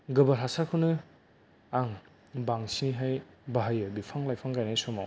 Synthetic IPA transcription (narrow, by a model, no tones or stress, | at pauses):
ɡɯbɐɾasakʰɯnɯ | aŋ | baŋsiɦajbaɦajɯbipʰaŋlajpʰaŋɡajnesɔmaw